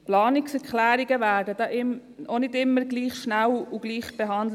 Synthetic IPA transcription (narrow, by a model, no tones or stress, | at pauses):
plɑːnɪksɛkχlæːɾiɡəvæːɾdəd̥ɑːʔɪmonɪdɪmːəɾɡliːχʃnæluɡ̥liːχb̥ɛɦɑndl